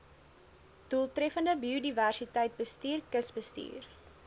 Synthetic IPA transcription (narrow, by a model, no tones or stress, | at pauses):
d̥ulˠtɾɛfəndəbiodiværsitəjt̚bəstiːrkəsbəstḭːr